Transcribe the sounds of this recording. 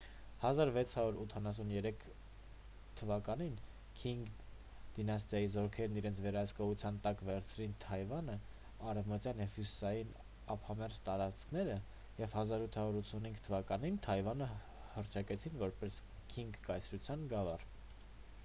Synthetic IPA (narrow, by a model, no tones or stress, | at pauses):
hɑzɑɾvɛt͡sʰhɑɾuɾut̪ʰɑnɑs̬unjɛɾɛkʰ | t̪ʰəvɑkɑnin | kʰiŋɡ | d̪̥inɑs̬t̪jɑjizɔɾkʰɛɾniɾɛnt͡sʰvɛɾɑhəskɔʁut͡sʰjɑnt̪ɑkvɛɾt͡sʰɾint̪ʰɑjvɑnə | ɑɾɛvmət̪jɑnjɛvhusɑjin | ɑpʰhɑmɛɾzt̪ɑɾɑt͡sʰkʰnɛɾə | jɛvhɑzɑɾut̪ʰhɑɾuɾut͡sʰunhiŋɡt̪ʰəvɑkɑnint̪ʰɑjvɑnə | hərt͡ʃʰɑkɛt͡sʰinvɔɾpɛskʰiŋɡkɑjt͡sʰɾut͡sʰjɑnɡɑvɑr